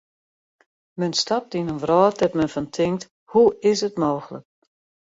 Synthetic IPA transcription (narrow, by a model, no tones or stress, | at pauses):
mɛnstap̚dinənvrɔːt̚ɛpmɛnfɔntʰɪŋkt | huɪsətmoːxələ̰k̚